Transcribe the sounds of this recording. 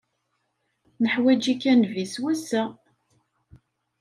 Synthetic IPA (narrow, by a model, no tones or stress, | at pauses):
nəħwæd͡ʒikːænviswæsæ